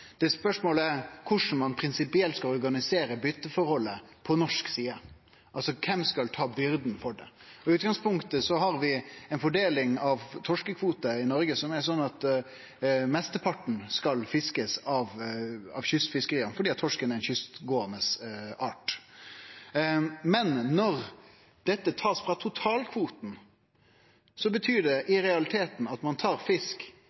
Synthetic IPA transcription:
d̪̥ɛspœʂmoːləæɾkʰʊʂn̩mɑnpʰɾɪnsɪpɪɛlt̪skɑlɔɾɡɑnɪseːɾəbʏt̪ːəfɔɾhɔlːəpʰɔnɔʂksiːə | ʔɑlsɔkʰɛmskɑlt̪ʰɑːbʏɾd̪n̩fɔɖɛ̰ɔɪʉːt̪̚ɡɑŋspʊŋkt̪əsɔɦɑɾʋɪɛnfɔɖeːlɪŋɑʋt̪ʰɔʂkəkʰʋuːt̪əɪnɔɾɡəsɔmɛsɔnːɑt̪ | mɛst̪əpʰɑʈɳ̩skɑlfɪskəsɑʋɑ̰ʋçʏst̪fɪskəɾiːənəfɔɾɖiːɑt̪ʰːɔʂkənæɛɾɛnçʏst̪ɡoːənəsɑːʈ | mɛnːɔɾ | d̪̥ɛt̪ːət̪ʰɑːsfɾɑt̪ʰʊt̪ʰɑːlkʰʋuːt̪n̩ | sɔbət̪ʰyːɖɛʔɪɾɛɑlɪt̪ʰeːt̪n̩ɑt̪mɑnt̪ʰɑːɾfɪsk

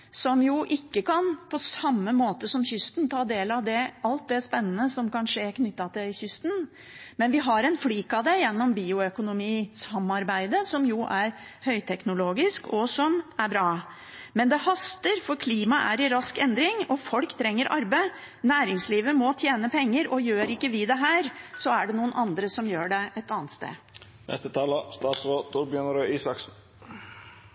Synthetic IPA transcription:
sɔmjʊʔɪkːəkʰɑnpʰɔsɑmːəmoːt̪əsɔmçʏst̪nt̪ʰɑːd̪eːlɑʋd̪ɛɑlt̪̚d̪ɛspɛnːənəsɔmkɑnʂəækʰnʏt̪ːɑt̪ʰɪlɪçʏst̪n | mɛnʋɪɦɑɾɛnfliːkɑʋd̪ɛjɛnːɔmbiːʊœkʊnʊmiːsɑmːɑɾbæɪd̪əsɔmjʊʔæɾhœʏt̪ʰɛknʊloːɡɪskɔsɔmæɾbɾɑː | mɛnd̪ɛhɑst̪əɾfɔɾkʰliːmɑʔæ̰ɾɪɾɑskɛnd̪ɾɪŋɔfɔlkt̪ʰɾɛŋːəɾʔɑɾbə | næːɾɪŋsliːʋəmɔt̪ʰjeːnəpʰɛŋːəɾɔjøːɾɪkːəʋɪd̪ɛɦæːɾsɔæɖɛnuːənʔɑnd̪ɾəsɔmjøːɖɛʔɛt̪ɑːnt̪st̪ḛː | nɛ̰st̪ət̪ʰɑːləst̪ɑːt̪sʁoːt̪ʰuːɾbjœnɾoiːsɑksn

